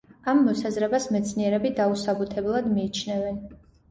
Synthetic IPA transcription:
amːɔsazɾɛbasmɛt̪sʰniɛɾɛbid̪ausabut̪ʰɛblˠad̪miːt͡ʃʰnɛvɛn

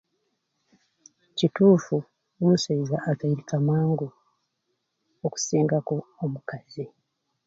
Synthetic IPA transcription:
cituːfu | nusaizaʔːkaiɾikamwaːŋɡo | oku̥siːŋɡakuomukazi

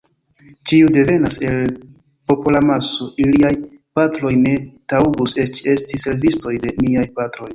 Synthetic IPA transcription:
t͡ʃiude̞ve̞nase̞l | po̞polamaso̞ʔiliajpatɾo̞jne̞tauɡuse̞t͡ʃe̞stise̞ɾvisto̞jde̞miajpatɾo̞j

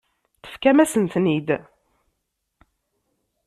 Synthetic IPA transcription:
θə̥fkæmæsənt̪nid̪

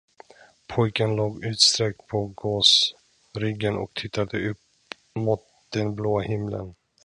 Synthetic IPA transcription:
pʰɔjkənloːɡʉ̟ːt̪st̪ɾɛk̚t̪̚pʰɔɡoːs | ɾɪɡːənʔɔ̰k̚t̪ʰɪt̪ːad̪əɵp | mʊːt̪̚d̪̥ɛnbloːahɪmlə̰n

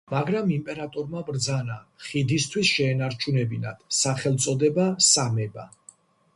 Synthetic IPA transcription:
maɡɾamimpʼɛɾat̪ʼɔɾmabɾd̪zanaχid̪ist̪ʰwisʃɛːnaɾt͡ʃʰunɛbinad̪̥saχɛlˠt̪sʼɔd̪ɛbasamɛba̰

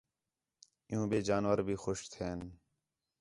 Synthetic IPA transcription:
ɪɦũːbeːd͡ʒaːnʋəɾbʱiːxʊʃt̪ʰeːn

